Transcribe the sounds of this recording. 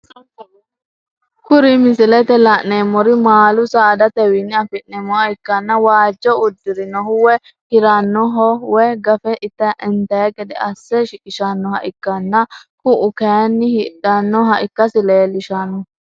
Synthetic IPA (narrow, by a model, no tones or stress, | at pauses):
kʊɾɪmɪsɪlɛt̪ɛlɐnnemɔɾɪmaːlʊsaːd̪ɐt̪ɛwinːɪɐfɪʔnɛmɔɐɪkːɐnːɐwaːd͡ʒːɔʊd̪ːɪɾɪnɔhʊwɛ | hɪɾɐnːɔɦɔwɛɡɐfɛʔɪt̪ːɐʔɪnt̪ɐjɐɡʼɛd̪ɛ̰ɐsːɛʃɪkɪʃɐnːɔhɐ̰ʔɪkːɐnːɐkʊʔʊkɐjɐnːɪhɪɗɐnːɔɦɐʔɪkːɐsɪleːlɪʃɐnːɔ